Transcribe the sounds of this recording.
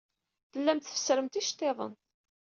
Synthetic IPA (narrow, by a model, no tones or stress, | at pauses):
θəlːæmt̪θə̥fə̥sɾəmt̪iʃt̪ˤːeðˤə̰n